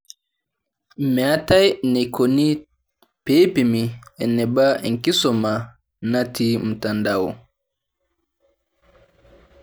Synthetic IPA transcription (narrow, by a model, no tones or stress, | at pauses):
mɛatajnɛkoni | pepimiɛnːɛbaɛŋkisɔma | natim̩tandawɔ